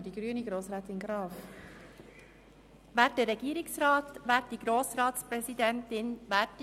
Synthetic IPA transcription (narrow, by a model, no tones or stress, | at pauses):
d̥iɡɾyəniɡɾoːsɾɛːt̪ɪnɡɾɑːf | ʋæːɾt̚dəːɛɡiːɾɪksɾɑːt̪ʋæːtdiɡɾoːsɾɑːtspɾɛsidɛntɪnʋæːt